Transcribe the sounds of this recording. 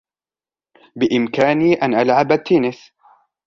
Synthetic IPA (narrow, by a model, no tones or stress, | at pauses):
bɪʔɪmkaːniːʔanʔalʕabat̪ːiːnɪs